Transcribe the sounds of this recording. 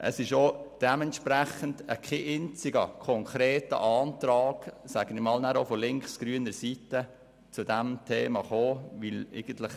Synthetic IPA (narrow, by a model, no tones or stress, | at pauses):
ʔə̰sɪʃod̥ɛmɛntʃpɾæχəndəkχeʔɪnt͡sɪɡə̰kʰɔŋkʰɾeːtə̰ʔɑːntɾɑːɡ̥sæːɡ̥ənɪmɑːlnæɾofɔlɪŋkχsɡ̥ɾyːənəɾsitə | t͡sʊdɛmtʰeːmɑχoːʋɪleɡ̥ən̩tlɪχ